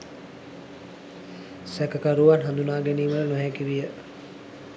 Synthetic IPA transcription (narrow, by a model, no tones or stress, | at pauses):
sækəkaɾuʋanɦand̪unaːɡeniːmələnuɦɛkiʋijə